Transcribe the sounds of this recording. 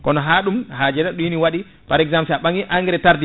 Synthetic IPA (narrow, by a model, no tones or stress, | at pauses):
kɔnɔɦaɗumhaːd͡ʒɛɾaɗujiniwaɗi | paɾɛɡzampsɛaɓaŋɡiʔaŋɡɛɾɛtaɾdi